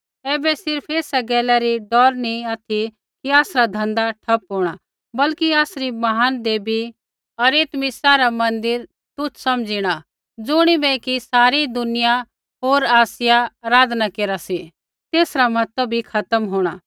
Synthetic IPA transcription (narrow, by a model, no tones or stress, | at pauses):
ɛːbɛsɪɾpʰeːsaɡɛːlɛɾiɖɔːɾniaːt̪ʰi | kiaːsɾad̪ʱɐ̃nd̪aʈʰɐpɦoːɽ̃a | bɐlkiaːsɾimɐɦaːnd̪eːbi | ɐɾeːt̪mɪsaɾamɐ̃nd̪ɪɾ | t̪ʊt͡ʃʰsɐmd͡ʒiɽ̃a | d͡zʊɽ̃ibɛkisaːɾid̪ʊnɪja | ɦoːɾaːsɪjaɾaːd̪nakeːɾasi | t̪eːsɾamɐt̪əbʱikʰɐt̪əmɦoːɽ̃aː